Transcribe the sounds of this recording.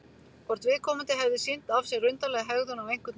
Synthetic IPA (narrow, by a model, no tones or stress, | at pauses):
pɔɾ̥t̪vɪðkʰɔːmant̪ɪɦɛvðʏsin̥t̪afsjɛɣrʏnt̪alɛɣaɦɛɣðʏnavejŋ̥kʏt̪